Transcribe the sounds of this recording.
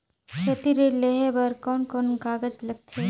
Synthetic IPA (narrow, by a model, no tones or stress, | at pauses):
ʃʰɐt̪iɾeleɦebɐɾkɔːnkɔːnɡaːɡəd͡ʒlɐɡ̚t̪ʰeː